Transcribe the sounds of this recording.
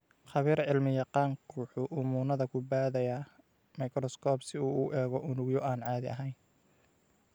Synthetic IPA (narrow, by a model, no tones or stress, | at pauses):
χɑβiːɾʕɪlmɪjɑqɑːŋkʰuːħʊʔʊmuːnɐðɐkʰʊbaːðɛjɐ | mɐjkrɔskʰɔːbsɪuːuːʔɛːɣɔʔʊnʊɣjɔʔaːnʕɑːðɪʔɐ̰ɦɛjn